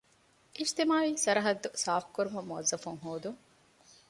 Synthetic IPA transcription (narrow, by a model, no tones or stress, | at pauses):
ʔiʃt̪imaːʋiːsɐɾɐɦɐd̪ːusaːfkuɾumɐmuʋɐzːɐfuŋɦoːd̪uŋ